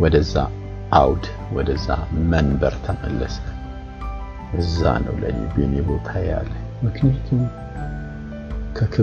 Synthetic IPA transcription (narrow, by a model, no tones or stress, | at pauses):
wɔd̪əzːa | ʔawd̪ | wɔd̪əzːamənbəɾt̪ʰəməlːəs | ʔɨzːa̰nə̰wlə̰nebenebot̪ʰajalːəɲ | mɨknijat̪ʰum | kʰəkʰɨ